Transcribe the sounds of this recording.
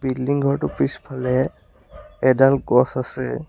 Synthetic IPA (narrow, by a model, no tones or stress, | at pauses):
bildiŋɡʱɔɹtʊpɹispʰalɛ | ɛdalɡɔsasɛ